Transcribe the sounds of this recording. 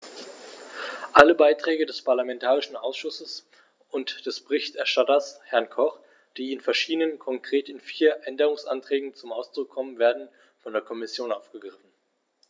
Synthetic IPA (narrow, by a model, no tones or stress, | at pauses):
ʔaləbaɪtʁ̥ɛːɡədɛspʰaɐlamɛntʰaːʁ̞ɪʃn̩ʔa̰ʊsʃʊsəs | ʊntd̥ɛsb̥əʁɪçtɛɐʃtatɐshɛɐnkʰɔχ | d̥iːɪnfɛɐʃiːdənənkʰɔŋkʁ̥eːtɪnfiːɐʔɛndəʁ̞ʊŋsʔa̰ntʁ̥ɛːɡŋ̩t͡sʊmʔaʊsd̥ʁʊkʰːɔmənveːɐdn̩ | fɔndeːɐkʰɔmɪsjoːnʔaʊfɡ̥əɡʁɪfn̩